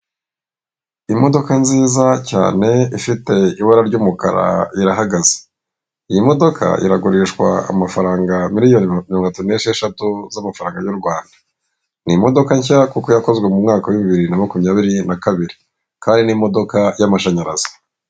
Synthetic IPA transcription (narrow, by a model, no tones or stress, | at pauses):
imo̞do̞kanziːzaca̰ːne̞ifite̞iβaɾaɾɟuːmuka̰ɾa̰iɾaɦaɡaze̥ | ijimo̞do̞kʰa̰ʔḭɾaɡuɾiʃkwa̰a̰mafaɾaːŋɡamiɾijo̞nimiɾoŋtatuneʃieʃatuzamafaɾaːŋɡajuɾɡwaːndḁ | nimo̞do̞kaɲçakukojako̞zɡwemumŋaːkawiβiβiɾinamakumiɲaːβiɾinakaβiɾi | kaːndinimo̞do̞kajamaʃaɲaɾazo̥